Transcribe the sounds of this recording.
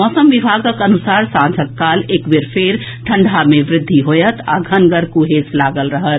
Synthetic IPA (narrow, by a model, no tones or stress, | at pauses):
mɔːsəmʋɪbʱaːɡəkənʊsaːɾsãːd͡ʒʱət̪̚kaːleːkbeɾpʰɪɾ | ʈʰə̃ɳɖʱamẽʋɾɪd̪ʱːiɦoːjət̪ʰa̰ɡʱənɡəɾkuɦeːslaːɡəlɾəɦət̪